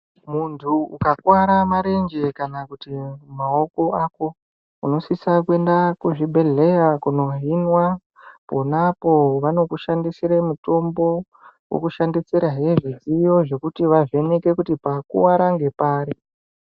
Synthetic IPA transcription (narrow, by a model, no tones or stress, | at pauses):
muntʰuṵkakuwaɾamaɾe̞nd͡ʒe̞kanakutimao̞ko̞aːko̞ | uno̞sisakue̞ndakuʐiɓʱe̞ɮe̞jakuno̞ɦinwa | po̞napo̞ʋano̞kuʃandisiɾemuto̞mbo̞ | wo̰kuʃandiseɾaɦeʐizijo̞ʐe̞kutiʋaʐe̞neke̞kutipakṵwaɾaŋɡe̞paːɾi